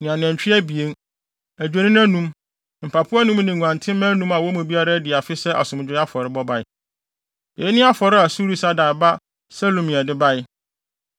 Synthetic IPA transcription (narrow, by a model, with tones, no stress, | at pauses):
ñ˨ã˨n˨ɛ̃˨ɲ˨t͡ɕᶣi˦æ˦bi˨e˦n | æ˨d͡ʑᶣe˨nĩ˦n˦æ̃˦nũ˦m | m̩˨pʰa˨pʰʊ˦a˦nũ˦m˦nɪ̃˨ŋũ˨ã˨ntʰɪ̃˦mæ̃˦nũ˦mã˨wɔ˦mũ˨bi˦a˦ɾa˦dɪ˨a˨fɪ˦sɛ˦ʔa̰˨sʊ̃˨m˨d͡ʑᶣɪ˦ɾa˦fɔ˨ɾɪ˦bɔ˦ba˦ɪ˦ | je˨˦nɪ̃˦a˦fɔ˨ɾɪ˦a˨su˦ɾi˦sa˦daː˨ba˦ | sɛ˦lo˨mĩ˨a˨dɪ˦ba˦jɪ˦